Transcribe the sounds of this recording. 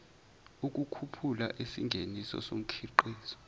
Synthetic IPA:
uk̬ʼukʰupʰulaʔisiŋɡʱenisɔ̰som̩kʰiǃiːzɔ̥

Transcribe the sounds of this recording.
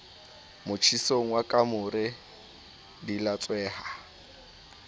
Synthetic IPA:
mʊt͡ʃʰisoŋ̩wakʼamʊɾɪ | dilat͡sʼwɛːha

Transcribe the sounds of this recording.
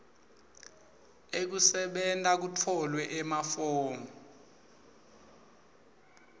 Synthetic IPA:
ek̬usɛɓɛntʼak̬utʰɔlwɛʔɛmafɔːmɔ

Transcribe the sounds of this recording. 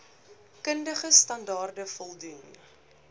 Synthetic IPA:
kəndəχəstɐndɑːrdəfɔlˠdun

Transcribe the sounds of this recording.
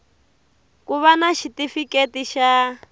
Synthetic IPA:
kuβanaʃitifiketiʃa

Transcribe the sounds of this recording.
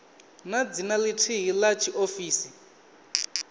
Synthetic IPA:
nad͡zinalitʰiɦilat͡ʃʰiʔofiːsi

